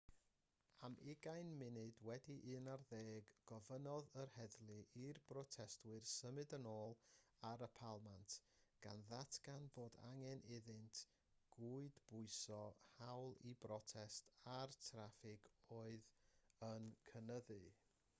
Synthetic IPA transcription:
amʔɪɡajnmɪnɨdwɛdiʔɨnarðeːɡːɔvənɔðərhɛðlˠɨʔirbrɔtʰɛstwɨrsəmɨdənoːlˠaɾəpʰalˠmantʰ | ɡ̥a̰nðatʰɡ̥anboːda̰ŋɛnɪðɨntʰ | ɡ̥uɨdb̥ʊɨsɔhawlˠibrɔtʰɛstʰartʰrafɪɡoːɨðənkʰənəðɨ

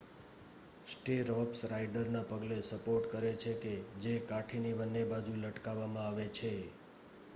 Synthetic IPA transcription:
sʈeɾɔpsɾaiɖəɾnapəɡlesəpoɾʈkəɾet͡ʃʰeked͡ʒekaʈʰinibənːebad͡ʒuləʈkaʋːamãaʋet͡ʃʰe

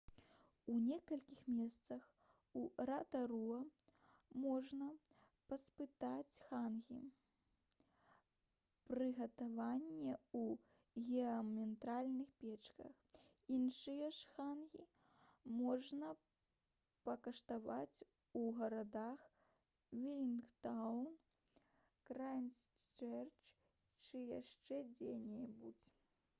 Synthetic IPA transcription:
unʲɛkɐlʲkʲixmʲɛst̪sɐx | uɾat̪ɐɾuɐ | mɔʐnɐ | pɐspɨt̪at͡sʲxanɣʲḭ | pɾɨɣɐt̪avanʲːɛu | ɣʲɛɐmʲɛnt̪ɾalʲnɨxpʲɛt͡ʂkɐ̰x | inʂɨjɐʂxanɣʲi | mɔʐnɐ | pɐkɐʂt̪avat͡sʲ | uɣɐɾad̪ax | vʲilʲinkt̪awn | kɾajnʲs | t͡ʂɛrt͡ʂ | t͡ʂɨjaʂt͡ʂɛd͡zʲenʲɛjɛbud͡zʲɛ

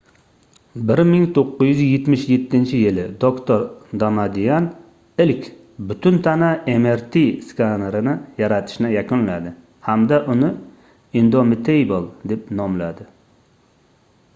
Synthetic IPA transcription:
bɪɾmɪŋt̪ʰoqːʊzjyzɪjet̪mɪʃjet̪ʰːɪnt͡ʃʰɪjɪlɪd̪okt̪ʰoɾd̪amad̪ijan | ɪlkʲ | bʊt̪ʰʊnt̪ʰanaemeɾt̪ʰiskanɾɪnɪjaɾat̪ʰɪ̥ʃnɪjakʊnlad̪ɪ | hamd̪aʔʊnɪ | ɪnd̪omɪt̪ʰejbolˠd̪e̞p̚nɒmlad̪ɪ

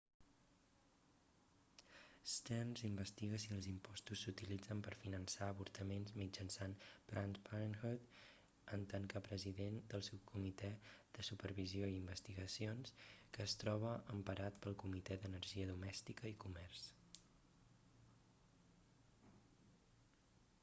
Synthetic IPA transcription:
st̪ɛnzimbəst̪iɣəsiəlˠzimpɔst̪usːut̪ilid͡zəmpəɾfinənsaəβuɾt̪əmenzmid͡ʒənsanbɾant̪panxut̪ | ənt̪aŋkəpɾəziðend̪əlˠsuw̚kʰumit̪ɛð̥əsupəɾβizioiimbəst̪iɣəsionskəːst̪ɾɔβ̞əʔːmpəɾat̪pəlˠkumit̪ɛðənəɾʒiəðumɛst̪ikəikumɛrs

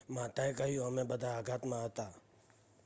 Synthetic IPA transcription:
mãːt̪aekaɦioɦɐmẽbəd̪ʱaːɡʱat̪mãɦət̪aː

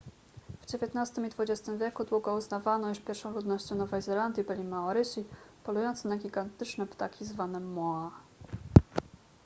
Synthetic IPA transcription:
v̥d͡ʑevʲjet̪nast̪ɘmid̪vud͡ʑest̪ɘmvʲjɛkud̪wuɡɔuznavanɔjuʂpʲjɛɾfʂɔ̃w̃lud̪nɔɕt͡ɕɔ̃w̃nɔvɛjzɛland̪ʲjibɘlʲimaɔɾɘɕipɔlujɔnt̪sɛnaɡʲiɡant̪ɘt͡ʂnɛpt̪akʲizvanɛmːɔa

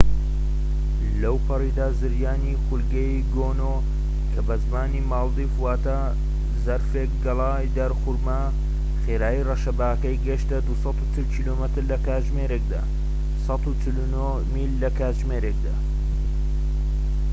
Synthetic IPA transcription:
lɐwpʰɨrid̪aːzɨɾjaːnixʊlɡɐj | ɡoːno | kʰɐbɐzmaːnimɑːld̪ifwaːt̪ɐ | zɐɾfeːkɡɐlˠaːjd̪ɐɾxʊɾmɐ | xeːɾaːirɐʃɐbaːkɐjɡɐʃt̪ɐd̪usɑt̪ut͡ʃɨlkiːlomɨt̪ɨɾlɐkaːʒmeːɾek̚d̪a̰ː | sɑt̪ut͡ʃɨluno | milːɐkaːʒmeːɾeːkd̪aː

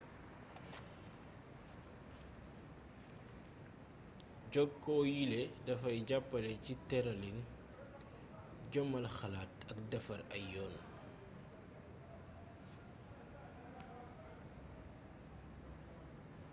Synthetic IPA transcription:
ɟɔɡkɔːjilɛdɐfɐjɟapːɐlɛcitɛɾɐlin | ɟɔmɐlxɐlaːtɐkdɐfɐɾɐ̰jɔːn

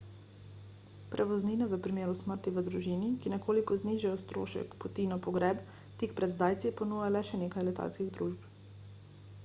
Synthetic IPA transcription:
pɾʔɛʋɔzniːnɛʋəpɾimeːɾusməɾt̪iʋəd̪ɾuʒiːnikinɛkoːlikɔzniːʒajɔst̪ɾo̰ːʃɛ̰kpɔt̪inɔpɔɡɾɛːb | t̪ikpɾɛd̪zd̪aːjt̪sipɔnuːjalɛʃɛneːkajlɛt̪a̰lskiɣd̪ɾuʒp

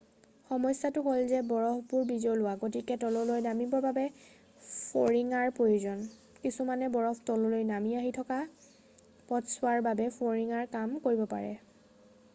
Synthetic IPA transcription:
xɔmɔjsatʊkolzɛbɔɹɔkbʊɹbizolʊwaɡot̬ikɛtɔlɔlojnamibɔbabɛ | pʰoɹiŋaɹpɹojuzɔn | kisumanɛbɔɹɔktɔlɔlojnamiaɦitʰɔka | pɔtsʊaɹbabɛpʰoɹiŋaɹkamkoɹibɔpa̰ɹɛ̰

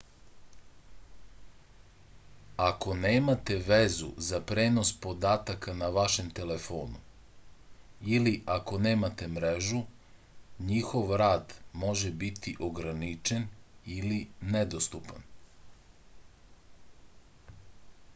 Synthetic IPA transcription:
ako̞neːmat̪e̞ʋezṵzapɾeːno̞spo̞d̪aːt̪akanaʋaʃe̞mt̪e̞le̞fo̞̰ːnṵ | iliʔako̞neːmat̪e̞mɾeʒu | ɲixo̞ʋɾaːd̪mo̞ʒebit̪ʰiʔo̞ɡɾanit͡ʃe̞nilined̪ost̪upan

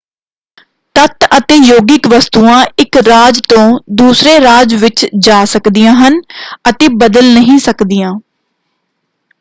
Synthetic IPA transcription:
t̪ət̪ət̪eːjoːɡɪkʋəst̪uːãːɪkɾaːd͡ʒt̪õːd̪uːsɾeːɾaːd͡ʒʋɪt͡ʃd͡ʒaːsəkd̪ijãːɦənət̪eːbəd̪əlnəɦĩːsəkd̪ijãː

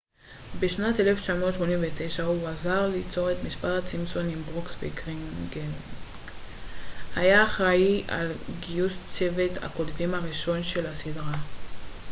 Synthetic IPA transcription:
beʃnateleft͡ʃamo̞tʃmo̞nimveteʃauazaʁlit͡so̞ʁetmispathat͡simso̞nimbʁoksbikʁiŋɡen | hajaːχʁaiʔa̰lɡiust͡se̞ve̞dha̰ko̞dvimhaʁiʃo̞nʃe̞lhasidʁa

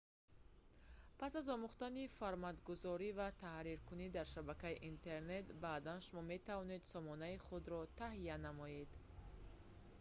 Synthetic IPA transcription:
pʰasazɔmuχt̪anifaɾmad̪ɡuzɔɾivat̪ʰahɾiɾkunid̪aɾʃabakaiʔint̪ʰe̞ɾne̞t̪baːd̪anʃumɔme̞t̪ʰavɔne̞d̪sɔmɔnaiχud̪ɾɔt̪ʰahijanamɔje̞d̪

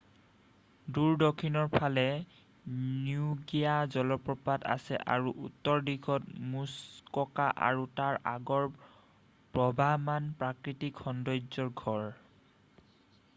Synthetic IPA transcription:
duɹdokʰːinɔɹpʰalɛ | niuɡijazɔlɔpɹɔpada̰sɛ̰ʔaɹuʔutːɔɹdikʰɔtmuskɔkaʔa̰ɹutaɹa̰ɡɔɹ | pɹɔbʱamanpɹakɹitikʰxɔndɔjzɔɹɡʱɔɹ

